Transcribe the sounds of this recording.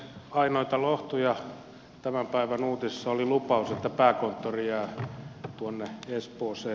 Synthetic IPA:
ɑinoit̪ɑloht̪ujɑ | t̪æmæmpæiʋænuːt̪isesːɑolilupɑuset̪ːæpæːkont̪ːorijæːt̪uonːeespoːseː

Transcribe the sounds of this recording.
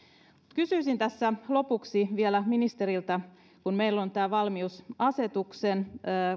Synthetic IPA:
mut̪kysyisint̪æsːælo̞puksiʋielæminist̪eɾilt̪ɑ | kunmeilːont̪æːʋɑlmiusɑse̞t̪uksenː

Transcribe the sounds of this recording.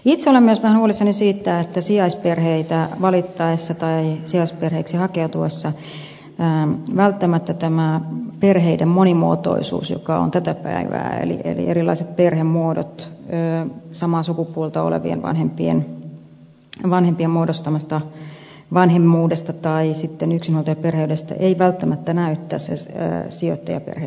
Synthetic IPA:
it̪seolemːyøsʋæhænhuolisːɑnisiːt̪ːæet̪ːæsiɑisperheit̪æʋɑlit̪ːɑesːɑt̪ɑisiɑisperheiksihɑkeut̪uesːɑː | ʋælt̪ːæmæt̪ːæt̪æmæperɦeidemmonimuːt̪o̰isṵːsjo̰kɑo̰nt̪æt̪æpæ̰iʋæ̰ːḛlḭʔḛlḭʔeɾilːˑɑ̰iset̪̚perhemmuodo̰t̪øːsɑmɑːsukupuolt̪ɑo̰lḛʋḭḛnʋɑ̰nhempien | ʋɑnhempiemmuodost̪ɑmɑst̪ɑ | ʋɑnhemːuːdest̪ɑt̪ɑisit̪ːenyksinhuolt̪ojɑperheydest̪æ̰ʔeiʋælt̪ːæmæt̪ːænæyt̪ːæːssḛːsio̰t̪ːɑjɑpḛrhḛ

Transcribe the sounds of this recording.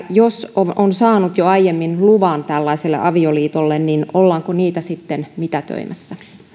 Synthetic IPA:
josoonsɑːnut̪joɑijemːinluʋɑːnt̪ælːɑiselːḛʔɑʋioliːt̪olːenninolːɑːŋkoniːt̪æsit̪ːenmit̪æt̪ø̰imʔæsːæ

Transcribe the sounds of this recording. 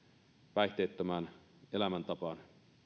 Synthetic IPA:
pæiht̪eːt̪ːømæːn | elæmænt̪ɑpɑn

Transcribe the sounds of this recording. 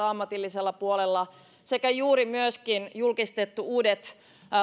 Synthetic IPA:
ɑmːɑt̪ilːiselːɑpuolelːɑ | sekæjuːɾimyøskinjulkist̪et̪ːuuːdet̪

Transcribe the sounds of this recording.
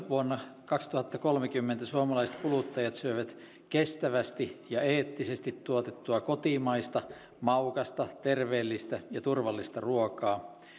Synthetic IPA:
ʋuonːɑkɑkst̪uhɑt̪ːɑkolmekymːent̪æsuomɑlɑiset̪kulut̪ːɑjɑt̪syøiʋæt̪ | kest̪æʋæst̪ijɑeːt̪ːisest̪it̪tuot̪et̪ːuɑkot̪imɑist̪ɑ | mɑukɑst̪ɑt̪erʋeːlːist̪æjɑt̪urʋɑlːist̪ɑruokɑː

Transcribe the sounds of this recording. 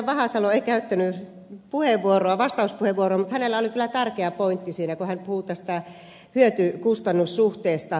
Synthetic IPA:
ʋɑhɑsɑloeikæyt̪ːæny | puheʋʋuoroɑʋɑst̪ɑuspuheʋʋuoroɑmut̪hænelːæolikylːˑæt̪ærkeæpoint̪ːisiːnækuhænpuhut̪æst̪æ | hyøt̪ykust̪ɑnːussuht̪eːst̪ɑ

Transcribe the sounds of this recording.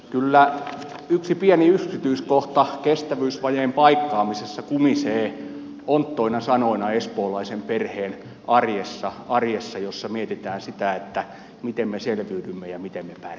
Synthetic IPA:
kylːæ | yksipiæniyksit̪yiskoht̪ɑkest̪æʋyːsʋɑjeːmpɑikːɑːmisesːɑkumiseː | ont̪ːoinɑsɑnoinɑespoːlɑisemperheːn | ʔɑrjesːɑɑrjesːɑjosːɑmiet̪it̪æːnsit̪æet̪ːæ | mit̪emmeselʋyːdymːejɑmit̪emmepær

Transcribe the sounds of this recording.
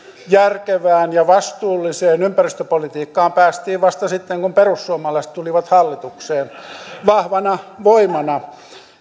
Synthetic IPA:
jærkeʋæːnjɑʋɑst̪uːlːiseːnympærist̪øpolit̪iːkːɑːmpæːst̪iːʋʋɑst̪ɑsit̪ːeŋkumperusːuomɑlɑis̆t̪uliʋɑt̪hɑlːit̪ukseːnʋɑhʋɑnɑʋoimɑnɑ

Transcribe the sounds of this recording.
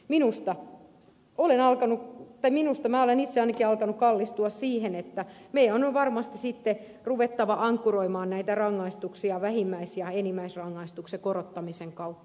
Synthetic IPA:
minust̪ɑ | olenɑlkɑnut̪ɑiminust̪ɑmæːolenit̪seɑinɑkiɑlkɑnukkɑlːist̪uɑssiːhenet̪ːæmeijæonʋɑrmɑst̪isit̪ːe | ruʋet̪ːɑʋɑʔɑŋkːuroimɑːnnæit̪ærɑŋːɑist̪uksiɑʋæhimːæisjɑenimːæisrɑŋːɑist̪uksekorot̪ːɑmiseŋkɑut̪ːɑ̥

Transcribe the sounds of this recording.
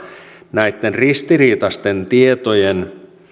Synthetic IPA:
næjt̪ːenrist̪iɾiːt̪ɑst̪ent̪iet̪ojen

